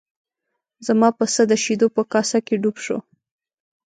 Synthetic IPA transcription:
zamɑpəsəd̪əʃid̪opəkɑsakeɖubʃo̰

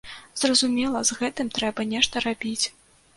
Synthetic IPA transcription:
zrɐzumʲɛlˠɐzɣɛt̪ɨmt̪ɾɛbɐnʲɛʂt̪ɐɾabʲit͡sʲ

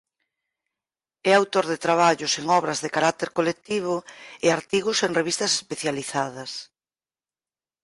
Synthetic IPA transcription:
ɛawt̪oɾðet̪ɾaβ̞aʎʊseŋɔβɾɐzðekaɾak̚t̪eɾkolek̚t̪iβ̞ʊeaɾt̪iɣʊseŋreβist̪ɐse̥speθjaliθað̞ɐs

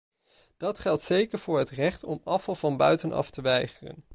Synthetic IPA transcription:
d̥ɑtχɛlˠtsejkəɹv̥ʊːɹɦətrɛχtɔmɑfɑlˠvɑnbœɥtənʔɑ̰ftəʋɛjχərə̰n

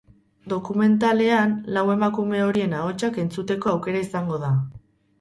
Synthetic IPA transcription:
d̪o̞kume̞nt̪ale̞anlawe̞makume̞o̞ɾie̞nao̞t͡ʃake̞nt͡sut̪e̞ko̞awke̞ɾaisaŋɡo̞ða

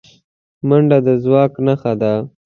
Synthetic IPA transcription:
maɳɖad̪əzwɑknaxad̪a

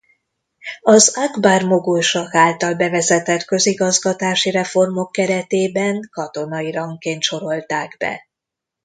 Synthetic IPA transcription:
ɒzaɡbaːrmo̞ɡujʃɒkaːlt̪ɒlbɛvɛzɛt̪ɛt̪kø̞ziɡɒzɡɒt̪aːʃiɾɛfo̞rmo̞kːɛɾɛt̪eːbɛŋkɒt̪o̞nɒiɾɒŋkeːnt̪ʃo̞ɾo̞lt̪aːɡbɛ̰

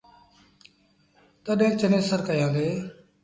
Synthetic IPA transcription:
t̪əɗẽːk̚t͡ʃənẽːsəɾkəjãːnd̪eː

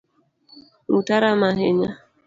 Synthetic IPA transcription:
ŋutaɾamaɦeɲa

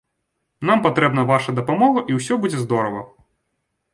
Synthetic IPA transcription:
nampat̪ɾɛbnɐvaʂɐd̪ɐpamɔɣɐʔiwsʲɔbud͡zʲɛzd̪ɔɾɐvɐ̰

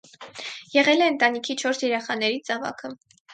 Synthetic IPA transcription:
jɛʁɛlɛənt̪ɑnikʰit͡ʃʰɔɾsʰjɛɾɛχɑnɛɾit͡sɑvɑ̰kʰə

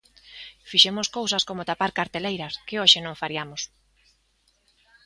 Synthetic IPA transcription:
fiʃemʊskowsɐskomot̪apaɾkaɾt̪elejɾɐskɪoʃɪnõŋfaɾjamʊs

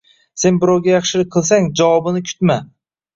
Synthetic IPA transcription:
se̞nbɪɾɒwɡʲajɑχʃɪlɪk̚ʲqʰɨlˠs̬aŋd͡ʒawɒbɪnɪkʲʰʊ̥t̪ma

